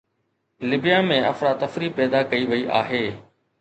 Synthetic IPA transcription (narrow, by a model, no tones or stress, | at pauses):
lɪbijamẽʔɐ̰fɾaːt̪ɐfɾiːpɛːd̪akɐiʋɐiʔa̰ːɦeː